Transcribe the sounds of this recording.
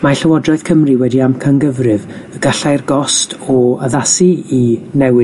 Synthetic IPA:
maɬəwɔdrɔɨð̥kʰəmrɨwɛdiamkʰanɡəvrɨvəɡaɬajrɡɔstʰɔəðasiinɛwɪ

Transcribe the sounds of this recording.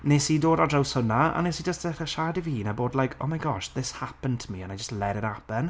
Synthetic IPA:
neːsidoːdadrawshʊnaa̰nesid͡ʒəstχəʃaːdiviːnaboːdlˠajkʰo̰ːmajɡɔʃðɪshapəntʰəmiənajd͡ʒəstlɛɾəɾapən

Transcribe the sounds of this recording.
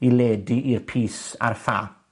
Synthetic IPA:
ileːdiʔirpʰiːsa̰rfa̰ː

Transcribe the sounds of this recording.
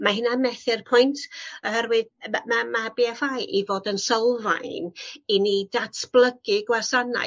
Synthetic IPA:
maɦɪnamɛθɪrpʰʊjntʰɔhɛɾwɨðmamabiafajʔivoːdənsəlˠva̰jninedatʰb̥lˠəɡɪɡwasana̰

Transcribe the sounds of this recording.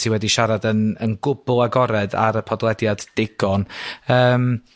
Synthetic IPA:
tʰiwɛdiʃaɾadənənɡʊbʊlˠaɡɔɾɛda̰ɾəpʰɔdlˠɛdjad̥ːɪɡɔnəːm

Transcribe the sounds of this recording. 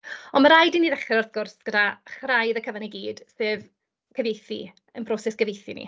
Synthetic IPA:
ɔnmaɾajdiniːðɛχɛɾɔrθɡ̥ʊrsɡ̥ədaχrajðəkʰəvaniɡiːd̥sɨːv | kʰəvejθḭ | ənpʰrɔsɛsɡ̥əvejθinḭ

